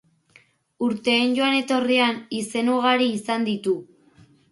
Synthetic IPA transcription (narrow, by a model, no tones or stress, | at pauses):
uɾt̪e̞ːnɟo̞ane̞t̪o̞rianise̞noɣaɾiːsand̪it̪u